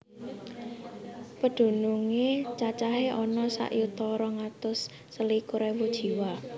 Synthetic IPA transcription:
pəɖ̪̥o̤nuŋet͡ʃat͡ʃaɦeʔɔnɔsa̰ʔjut̪ɔɾɔŋat̪ʊsː | əlikuɾɛwud̥ʒ̥i̤wa

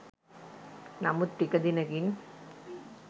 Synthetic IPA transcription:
nɐmɯt̪ːɪɣɐðɪnɐɣɪn

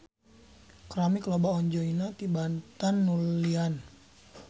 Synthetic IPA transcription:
kɾamiklɔbaɔɲd͡ʒɔinat̪ibant̪anːulian

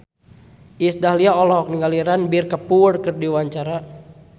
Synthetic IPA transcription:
isdaɦliaɔlɔɦɔk̚niŋɡaliɾanbirkəpurkɨrdiwaɲt͡ʃaɾa

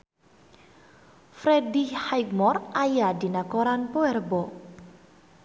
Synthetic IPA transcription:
fɾedihhajkmɔrʔajadinakɔɾanpoɛrbɔ

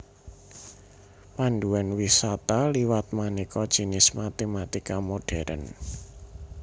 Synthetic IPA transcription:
panɖuwɛnwisat̪aliwat̪̚manekɔd̥ʒ̥i̤nɪsmat̪emat̪ikamoɖ̥ɛɾʔə̰n

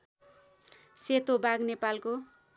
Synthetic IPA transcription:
set̪obaɡnepalko

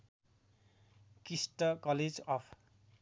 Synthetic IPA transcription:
kisʈʌkʌled͡zʌpʰ

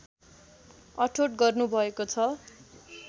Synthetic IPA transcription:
ʌʈʰoʈɡʌrnubʱʌekot͡sʰʌ

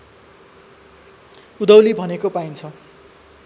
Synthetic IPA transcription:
ud̪ʌwlibʱʌnekopajnt͡sʰʌ

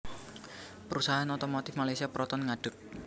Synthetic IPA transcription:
pəɾusaɦaanɔt̪ɔmɔt̪ɪfmalajsiapɾʔɔt̪ɔnŋaɖ̥ʊk̚

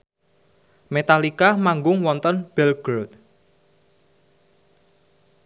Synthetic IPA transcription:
met̪alikamaŋɡʊŋwɔnt̪ɔnb̥ɛlɡ̥ɾot̪̚

